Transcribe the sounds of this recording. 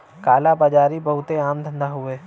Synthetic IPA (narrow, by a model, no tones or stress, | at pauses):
kaːlabad͡ʒaːɾibəɦʊt̪eaːmd̪ʱənd̪aɦʊeː